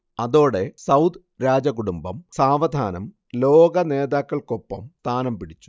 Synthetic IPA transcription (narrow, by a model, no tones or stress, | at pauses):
ɐðo̞ːɽe̞sɐwd̪ | ɾaːd͡ʑɐkuɽumbɐmsaːʋɐd̪ʱaːnɐm | lo̞ːɡɐne̞ːðaːkːɐɭko̞pːɐmt̪aːnɐmpiɽit͡ɕːu̥